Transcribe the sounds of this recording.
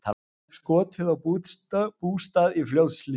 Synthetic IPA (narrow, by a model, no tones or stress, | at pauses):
t̪ʰa | skɔːt̪ʰɪðawputapuːst̪aðiflʲoðsli